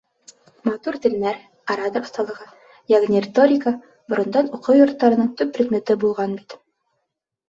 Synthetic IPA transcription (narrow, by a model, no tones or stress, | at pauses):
mɑt̪uɾt̪ɘ̆lnæɾ | ɐɾad̪ə̆rst̪ɑlˠɤ̆ʁɤ | jɑʁnʲirʲɪt̪o̞ɾʲɪkə | bŏɾɤ̆nd̪ɑnuqɤwjŏɾt̪ːɑɾɤ̆nɤɴt̪ʉpːrʲɪd̪mʲet̪ɘbulˠʁɑnbit̪